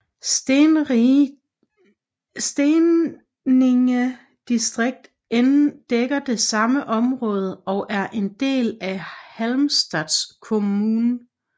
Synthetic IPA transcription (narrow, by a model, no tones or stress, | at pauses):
sd̥e | eŋə | d̥isd̥ʁeɡ̥̚d̥ | end̥eɡ̥ɐd̥e̝sɑ̈məʔɒ̽mʁɔ̽ːð̞ˠəɒ̽ʔæɐʔe̝nd̥e̝̰ːlæhælmsd̥ɛd̥skʰo̝muːnə